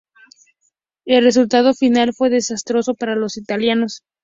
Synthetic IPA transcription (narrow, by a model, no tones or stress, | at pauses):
e̞lre̞s̬ult̪að̞o̞finalfwe̞ðe̞sast̪ɾo̞so̞paɾalo̞sit̪aljano̞s